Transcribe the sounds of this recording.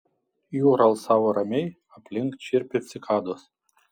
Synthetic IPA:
juːɾɐlˠsɑːʋoːɾɐmʲɛɪ | ɐpʲlʲɪŋkt͡ʃʲɪɾʲpʲɪsʲɪkʰɑːd̪os

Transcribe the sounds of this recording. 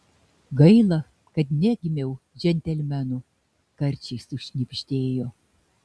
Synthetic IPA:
ɡɐɪlˠɐ | kɐt̪nʲɛɡʲɪmʲɛʊʒʲɛnʲt̪ʲɛlʲmʲænʊ | kɐɾʲt͡ʃʲɛɪsʊʃʲnʲɪpʲʒʲd̪ʲeːjoː

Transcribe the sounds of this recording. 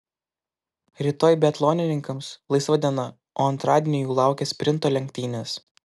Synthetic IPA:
ɾʲiːt̪oːjbʲɛt̪lˠoːnʲɪnʲɪŋkɐmslˠɐɪsʋɐd̪ʲiɛnɐ | ʔoːɐnt̪ɾɑːd̪ʲɪːnʲɪjuːlˠɑˑʊkʲɛsʲpʲɾʲɪnt̪oːlʲɛŋkʲt̪ʲiːnʲes

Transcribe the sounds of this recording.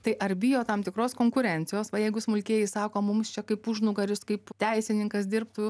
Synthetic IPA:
t̪ɐɪʔɐɾbʲɪjoːt̪ɐmt̪ʲɪkɾoːskoːŋkʊɾʲɛnʲt̪t͡ssʲɪjoːsʋɐjɛɪɡʊsmʊlʲkʲiːjɪsɑːkoːmʊmst͡ʃʲɛkɐɪpuʒnʊɡɐɾʲʊskɐɪpt̪ʲɛɪsʲɪnʲɪŋkɐsd̪ʲɪrpt̪u

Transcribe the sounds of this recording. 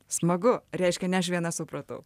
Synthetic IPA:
smɐɡʊɾʲɛɪʃʲkʲɛnʲɛɐʃ̬ʋʲiɛnɐsʊpɾɐt̪ɐ̰ʊ

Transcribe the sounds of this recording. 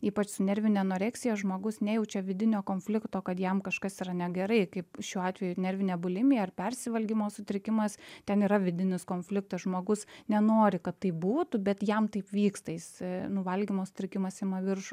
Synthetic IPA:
iːpɐt͡ʃsʊnʲɛɾʲʋʲɪnʲɛnoːɾʲɛːksʲɪjɛʒmoːɡʊsnʲɛjɛʊt͡ʃʲɛʋʲɪd̪ʲɪnʲoːkoːnʲfʲlʲɪkt̪oːkɐt̪jɛmkɐʃkɐsiːɾɐnʲɛɡʲɛɾɐɪkɐɪpʃʲuːɑːt̪ʲʋʲɛjunʲɛɾʲʋʲɪnʲɛːbʊlʲɪmʲɪjɛɐrpʲɛɾʲsʲɪʋɐlʲɡʲimoːsʊt̪ʲɾʲɪkʲɪmɐst̪ʲɛniːɾɐʋʲɪd̪ʲɪnʲɪskoːnʲfʲlʲɪk̚t̪ɐsʒmoːɡʊsnʲɛnoːɾʲɪkɐt̪tːɐɪbuːt̪ʊbʲɛt̪jɛmt̪ɐɪpʋʲiːkst̪ɐjɪsnʊʋɐlʲɡʲimoːsʊ̥t̪ʲɾʲɪkʲɪmɐsɪmɐʋʲɪrʃʊ

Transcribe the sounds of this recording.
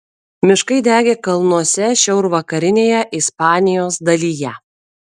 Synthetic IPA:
mʲɪʃkɐɪd̪ʲæːɡʲeːkɐlˠnuɔsʲɛʃʲɛʊɾʋɐkɐɾʲɪnʲeːjɛʔɪspɑːnʲɪjoːsd̪ɐlʲiːjɛ

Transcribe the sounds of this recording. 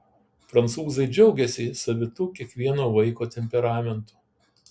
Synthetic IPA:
pɾɐnt̪suːzɐɪd͡ʒʲɛʊɡʲɛsʲisɐʋʲɪt̪uːkʲiɛkʋʲiɛnoːʋɐɪkoːt̪ʲɛmʲpʲɛɾɑːmʲɛnt̪u̥ː

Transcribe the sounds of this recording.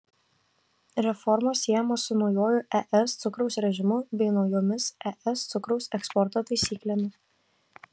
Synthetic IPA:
ɾʲɛfɔɾmoːsːʲiɛjɛmoːsʊnɒʊjoːjʊʔɛʔɛst̪sʊkɾɐʊsɾʲɛʒʲɪmʊbʲɛɪnɒʊjoːmʲɪsɛʔɛst̪sʊkɾɔʊsɛkspɔɾt̪ot̪ɐɪsʲiːklʲeːmʲɪs

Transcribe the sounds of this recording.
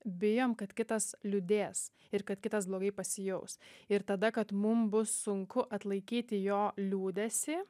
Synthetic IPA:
bʲɪjoːmkɐt̪kʲɪt̪ɐslʲʊd̪ʲeːs | ɪɾkɐt̪̚kʲɪt̪ɐsblˠoːɡɐɪpɐsʲɪjɛʊsɪɾt̪ɐd̪ɐkɐt̪mʊmbʊsːʊŋkʊʔɐt̪lˠɐɪkʲiːt̪ʲɪjoːlʲuːd̪ʲɛsʲɪ

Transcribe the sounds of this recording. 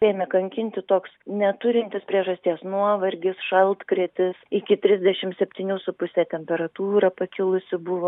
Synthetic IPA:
eːmʲɛkɐŋʲkʲɪnʲt̪ʲɪt̪oːksnʲɛt̪ʊɾʲɪnʲt̪ʲɪspʲɾʲiɛʒɐsʲt̪ʲiɛsnuɔʋɐɾʲɡʲɪsʃɐlˠt̪kɾʲiɛt̪ʲɪsɪkʲɪt̪ʲɾʲɪzʲd̪ʲɛʃʲɪmsʲɛpʲt̪ʲiːnʲuːsʊpʊsʲɛt̪ʲɛmʲpʲɛɾɐt̪uːɾɐpɐkʲɪlˠʊsʲɪbʊʋoː

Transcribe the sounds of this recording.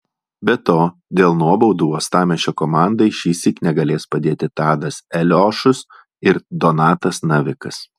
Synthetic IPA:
bʲɛt̪oːd̪ʲeːlˠnuɔbɔʊd̪uːoːst̪ɑːmʲɛʃʲokɔmɑˑnd̪ɐɪʃʲiːsʲiknʲɛɡɐlʲeːspɐd̪ʲeːt̪ʲɪt̪ɑːd̪ɐsɛlʲɔːʃʊs | ɪɾd̪ɔnɑːt̪ɐsnɐʋʲɪkɐs

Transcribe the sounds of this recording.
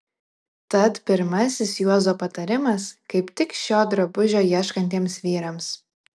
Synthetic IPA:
t̪ɐt̪pʲɪɾmɐsʲɪsjuɔzoːpɐt̪ɐɾʲɪmɐskɐɪpt̪ʲɪkʃʲoːd̪ɾobʊʒʲoːjiɛʃkɐnʲt̪ʲiɛmsʋʲiːɾɐms

